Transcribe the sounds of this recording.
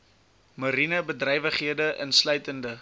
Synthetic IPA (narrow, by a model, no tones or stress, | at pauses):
məɾinəbədrɛjvəχɦiədəʔənslœɥtəndə